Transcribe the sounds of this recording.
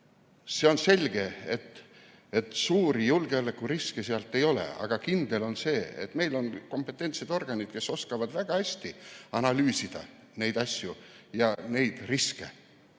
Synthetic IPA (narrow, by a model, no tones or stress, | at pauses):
se̞o̞nse̞lʲɡ̥e̞et̪ː | et̪ˑsuːɾijulɡ̥e̞olekːuriskeseɑlt̪ːˑe̞jo̞lḛɑ̰ɡ̥ɑkind̪e̞lo̞nse̞ːḛt̪me̞jlo̞nko̞mpːˑe̞t̪ːˑent̪sed̪o̞rɡ̥ɑnid̪̥ke̞so̞skɑvɑd̪̥væɡ̥ɑhæsʲt̪iɑnɑlyːsid̪̥ɑ̰ | ne̞jd̪ɑsʲjujɑne̞jd̪̥riskḛ